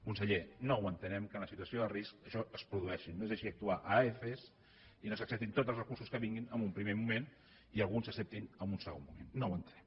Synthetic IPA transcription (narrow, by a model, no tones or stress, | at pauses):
kunsəʎenowənt̪ənɛmkənləsit̪uəsioðəriskəʃɔəspɾuðuɛʃinːoezeʃiək̚t̪uaʔaefes | inosəksɛp̚t̪int̪ot̪zəlˠsrəkursuskəβiŋɡinəmbumpɾimemumẽn | iəlˠɣunsəksɛp̚t̪inəmunsəɣo̰nmumḛnːowənt̪ənɛm